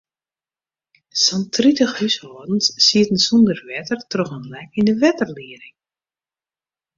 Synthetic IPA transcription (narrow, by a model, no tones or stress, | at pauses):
sɔntʰritəxhyshɔːdn̩ssiətən̩sundərʋɛtərtrɔxənlɛkindəʋɛtərliəɾɪŋ